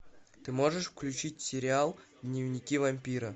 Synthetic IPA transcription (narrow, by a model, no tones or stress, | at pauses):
t̪ɨmoʐɨʂfklʲʉt͡ɕit̚ʲsʲɪɾʲɪalˠd̪nʲɪvnʲɪkʲivɐmʲpʲiɾə